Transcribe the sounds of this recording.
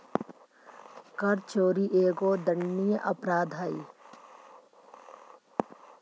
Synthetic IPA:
kəɾt͡ʃoːɾiʔeːɡoːd̪ənːijəʔɐpɾaːd̪ʱaːi

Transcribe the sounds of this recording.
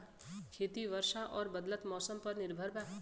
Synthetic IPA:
kʰeːt̪iʋəɾʃaʔɔːɾbəd̪lət̪mɔːsəmpəɾnɪɾbʱəɾbaː

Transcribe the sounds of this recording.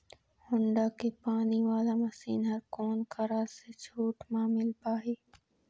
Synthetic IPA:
hʊɳɖaːkʰeːpaːniʋaːlaːmɐsiːnɦɐɾkoːnkʰɐɾaːset͡ʃʰoːʈmãːmɪlpaːɦeː

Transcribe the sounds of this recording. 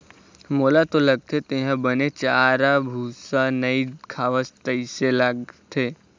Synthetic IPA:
moːlat̪olɐɡ̚t̪ʰet̪eɦãbənet͡ʃaːɾabʱuːsanəikʰaːʋəst̪əiselaɡt̪ʰeː

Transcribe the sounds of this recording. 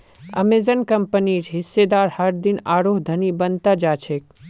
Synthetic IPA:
ɐ̰mezənkɐmpəniɾɦɪsːed̪aːɾhɐɾd̪ɪnaːɾoːɦd̪ʱɐnibənt̪ad͡ʒaːt͡ʃʰek̚

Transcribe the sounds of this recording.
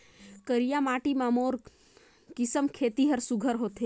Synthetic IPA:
kəɾijamaːʈimamoːɾ | kɪsəmkʰeːt̪iɦəɾsuɡʱəɾɦoːt̪e

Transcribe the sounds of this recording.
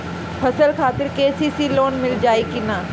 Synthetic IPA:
pʰəsəlkʰaːt̪ɪɾkeːsisiːloːnmɪld͡ʒaːikinaː

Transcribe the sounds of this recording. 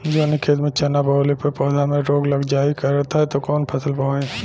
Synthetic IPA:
d͡ʒoːnɪkʰeːt̪mẽt͡ʃʰɐnːabɔːlipəpɔːd̪ʱamẽɾoːɡlɐɡd͡ʒaːikɐɾːɐɦt̪aɦɛt̪okɔːnpʰɐsəlpɐɦẽː

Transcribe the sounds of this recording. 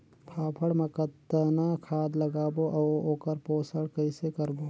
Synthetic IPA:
pʰaːpʰəɽmɐkət̪ːənakʰaːd̪lɐɡaːboʔɐoːkəɾpoːsəɽkɐɪsekɐɾboː

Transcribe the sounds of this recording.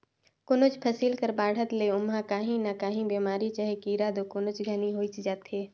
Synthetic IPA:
kʊnʊt͡ʃpʰəsiːlkəɾbaːɽ̤ət̪leʊmɦãkaːɦĩnakaːɦĩbeːmaːɾit͡ʃaɦekiːɾad̪okʊnʊt͡ʃɡʱɐniɦoːit͡ʃd͡ʒaːt̪ɦeː

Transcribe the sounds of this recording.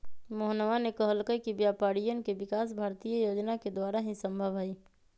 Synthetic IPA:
moɦnʋanekəɦəlkəkibjaːpaːɽijənkeʋɪkaːs̬bʱaːɾt̪ijəjoːd͡ʒnaked̪waːɾaɦĩsə̃mbʱəʋɦɐiː

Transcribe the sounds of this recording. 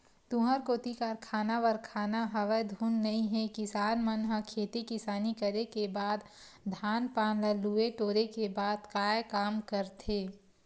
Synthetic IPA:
t̪ũɦəɾkoːt̪ikaɾkʰaːnaʋəɾkʰaːnaɦəʋəjd̪ʱuːnːɐĩɦɛkɪsaːnmənɦəkʰeːt̪ikɪsaːnikəɾekebaːd̪ | d̪ʱaːnpaːnləlueʈoːɾekebaːd̪kaːjkaːmkəɾt̪ʰeː

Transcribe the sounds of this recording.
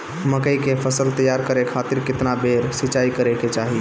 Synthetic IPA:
məkəjkepʰəsəlt̪əjaɾkəɾekʰat̪ɪɾkɪt̪nabʱeɾsit͡ʃaikəɾeket͡ʃaɦi

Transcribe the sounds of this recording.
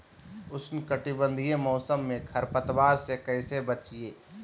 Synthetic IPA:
ʊsnkəʈibə̃nd̪ʱijẽmɔːsəmːẽkʰɐɾpət̪waːɾsekɐɪsebət͡ʃieː

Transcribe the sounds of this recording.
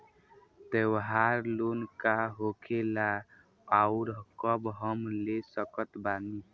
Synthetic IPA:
t̪ewɦaɾlonkaɦokʰela | auɾkəbɦəmlesəkət̪bani

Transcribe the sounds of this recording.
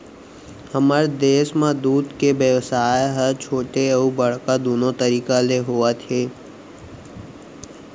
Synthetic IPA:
həməɾd̪eːʃmãd̪uːd̪kebjəʋsaːeɦəɾt͡ʃʰoːʈeəubəɽ̤kad̪oːnot̪əɾiːkaleɦoːat̪ʰeː

